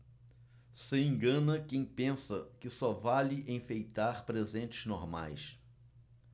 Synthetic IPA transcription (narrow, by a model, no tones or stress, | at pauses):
sɪẽŋɡɐ̃nɐkẽj̃pẽsɐkɪsɔvalɪʔẽj̃fejt̪aɾpɾezẽnt͡ʃɪznoɾma̰js